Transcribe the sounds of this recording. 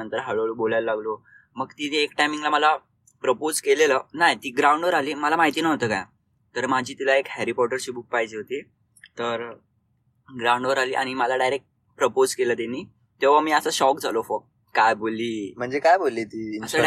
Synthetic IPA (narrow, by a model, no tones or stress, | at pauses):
ənt̪əɾɦəɭoɭobolajllaɡlo | məɡt̪iekʈajmiŋɡlaməla | pɾəpod͡zkelelənajt̪iːɡɾaũɳɖʋəɾaliːməlamaɦit̪iːnaɦot̪əːka̰j | t̪əɾmad͡ʑʱiːt̪ilaekhɛɾipɔʈəɾt͡ɕiːbuk̚paɦd͡ʑeɦot̪i | t̪əɾ | ɡɾaũɳɖʋəɾaliːʔa̰ɽ̃iməlaɖajɾek̚ʈ̚ | pɾəpod͡zkeləːd̪eni | t̪eʋamiːəsəːɕɔkd͡zʱalofo | kajbolːiːm̤əɳd͡zekajbolːiːt̪iːnəsə